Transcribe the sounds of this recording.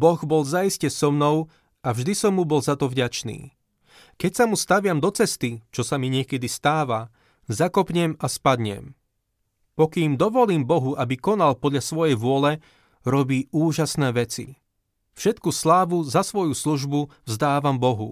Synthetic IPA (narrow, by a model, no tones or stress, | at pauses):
bɔɣbɔlzaiscɛsɔmnɔʊ | avʒd̪isɔmːubɔlzat̪ɔvɟat͡ʃnḭː | kɛcsamust̪aʋɪamd̪ɔt͡sɛst̪it͡ʃɔsamiɲɪɛkɛd̪ist̪aːʋa | zakɔpɲɛmaspad̪ɲɛ̰m | pɔkiːmd̪ɔʋɔliːmbɔɦuʔabikɔnalpɔd̪ʎasʋɔjɛjʋʊɔlɛ | ɾɔbiːuːʒasnɛːʋɛt͡sḭ | fʃɛt̪kuslaːʋuzasʋɔjusluʒbuvzd̪aːʋambɔɦṵ